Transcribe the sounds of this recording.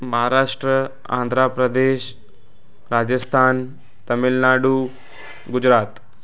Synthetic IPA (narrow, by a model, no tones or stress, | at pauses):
məɦaɾaːʂʈɾə | a̰nd̪ʱɾapɾəd̪eːʃ | ɾad͡ʑəst̪ʰaːn | t̪əmilnaːɽuː | ɡud͡ʑɾaːt̪